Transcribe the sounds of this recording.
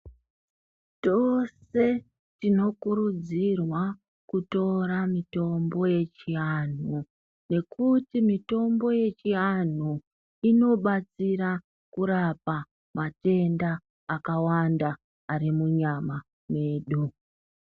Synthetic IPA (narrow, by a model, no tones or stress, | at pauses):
t͡ʃose̞ | tino̞kuɾud͡zirwa | kuto̞ɾamito̞mbo̞je̞t͡ʃian̤u | ne̞kutimito̞mbo̞je̞t͡ʃian̤u | ino̞ɓat͡siɾa | kuɾapa | mate̞ndaː | kawandaː | rimuɲama | me̞ːɗu